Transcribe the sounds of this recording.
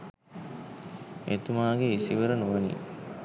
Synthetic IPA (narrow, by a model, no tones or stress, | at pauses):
ḛt̪umaːɡeisiʋəɾənuʋənḭ